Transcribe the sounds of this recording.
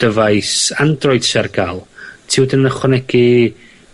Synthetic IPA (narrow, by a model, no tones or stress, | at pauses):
d̥əvajsandrɔjd̥sɛrɡalˠtʰɪwdənəχwənɛɡ̥i